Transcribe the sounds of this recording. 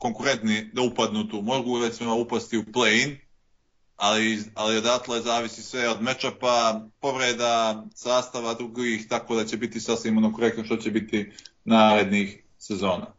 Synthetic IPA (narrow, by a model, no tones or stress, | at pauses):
ko̞ŋkuɾe̞nt̪nid̪aupad̪nuːt̪uːmo̞ɡuɾet̪simoupast̪iuplein | alialio̞d̪at̪lˠoezaːʋisisʋe̞od̪me̞t͡ʃapapo̞ʋɾed̪asaːst̪aʋad̪ɾuɡiːxt̪ako̞ːd̪at͡ɕe̞bit̪isasʋiːmonokoɾek̚t̪noʃt̪o̞t͡ɕe̞bit̪inaːɾe̞d̪nix | se̞zo̞ːnaː